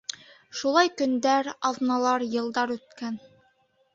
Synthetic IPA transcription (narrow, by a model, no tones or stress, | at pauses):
ʃulˠɑjkɵ̆nd̪æɾɑðnɑlˠɑɾjɤ̆lˠd̪ɑɾʉt̪̚kæn